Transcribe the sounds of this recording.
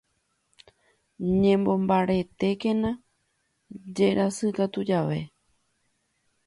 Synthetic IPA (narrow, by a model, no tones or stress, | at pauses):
ɲẽmbõ̞mbaɾe̞t̪e̞kẽ̞nã | d͡ʒe̞ɾʔasɨkat̪ud͡ʒaʋe̞